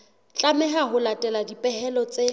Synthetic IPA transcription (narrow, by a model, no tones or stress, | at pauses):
t͡ɬʼamɛɦaɦʊlatʼɛladipʼɛɦɛlɔt͡sʼe